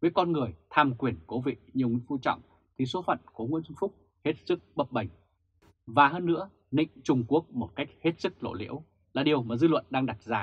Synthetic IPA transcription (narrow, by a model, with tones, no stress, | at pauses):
vəː˨˦jkɔ˧nŋɨ˨˩əjt̪ʰaː˧mkwi˨˩ənko˨˦vḭ˧˨ɲi˨˩əwŋḭ˧˥˦fu˧t͡ɕɔ̰˧˨wŋ͡m | t̪ʰi˨˩so˨˦fə̰˧˨nku˨˧˩ŋw̰i˧˥ənʊ˧ŋfʊ˦˥k͡p̚ | he˦˥t̚sɨ˦˥k̚ɓə˦˩p̚ɓa˨˩jŋ̟ | vaː˨˩həː˧nːɨ̰˧˥ə | nḭ̈˧˨ŋ̟t͡ɕʊ˧ŋ͡mku˦˥ək̚mo˨˩t̚ka˦˥jk̟̚he˦˥t̚sɨ˦˥k̚lo̰˧˨lḭ˧˥əw | laː˨˩ɗi˨˩əwmaː˨˩zɨ̰˧lwə̰˧˨nɗaː˧ŋɗa˨˩t̚zaː˨˩